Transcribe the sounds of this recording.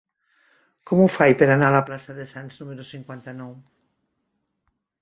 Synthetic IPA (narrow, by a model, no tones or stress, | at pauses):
komufajpeɾanalaplasaðesansnũmeɾusiŋkwant̪anɔw